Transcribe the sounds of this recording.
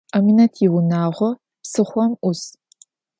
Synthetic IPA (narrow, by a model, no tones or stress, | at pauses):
ʔɐminɐtʰjɪwʊnaːʁʷɔ | psɨχʷɔmʔʊs